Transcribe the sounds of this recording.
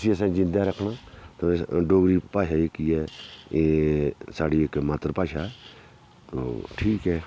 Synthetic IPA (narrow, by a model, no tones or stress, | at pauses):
siːəs̬ãːd͡ʒɪ̃nd̪aːɾəkʰnaːt̪oɖoːɡɾiːpaːʃaːeːkiːɛːesaːɖiːekmat̪ɾpaːʃaː | t̪o̰ːʈʰiːkɦɛː